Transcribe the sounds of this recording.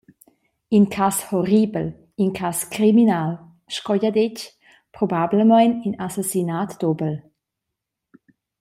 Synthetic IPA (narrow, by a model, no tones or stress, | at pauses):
inkʰashoribəl | inkʰaskɾiminal | ʃkɔjad̪ec | pɾobabləmajninasasinat̪d̥̪ɔbəl